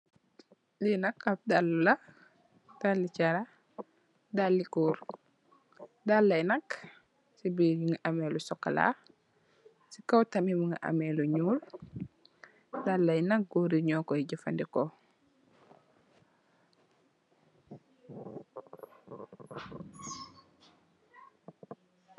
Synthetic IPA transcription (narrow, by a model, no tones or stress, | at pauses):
linɐkɐp̚dalːulɐ | d̥alːit͡ʃaɾa | dalːikuːɾ | dalːɐjnɐk | sibijiŋɡaʔamɛlusɔkːɐ̰la̰ | sikɐwtɐmimuŋɡa̰ʔɐ̰mɛluɲuːl | dalːɐjnɐk̚ɡuːɾiɲɔːkɔiɟəfɐ̰ndikɔ